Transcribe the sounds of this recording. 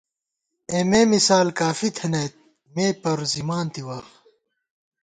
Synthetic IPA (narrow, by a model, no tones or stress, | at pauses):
eːmeːmisaːlkaːfit̪ʰɐneːt̪̚ | meːpɐɾzimaːnt̪iwaːx